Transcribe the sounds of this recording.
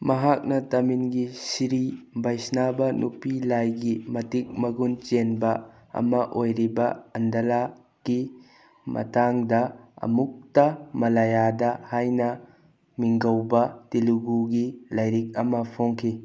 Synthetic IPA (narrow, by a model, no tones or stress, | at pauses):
mɐɦak̚nɐtɐminɡisiɾibɐjsnabɐnʔupilajɡimɐtik̚mɐɡunt͡ʃenbɐ | ɐ̰mɐʔojɾibɐɐndɐla | ɡ̥i | mɐ̰taŋdɐɐ̰muk̚tɐmɐlajadɐhajnɐ | miŋɡɐwbɐtiluɡuɡilɐjɾik̚ɐmɐpʰoŋkʰi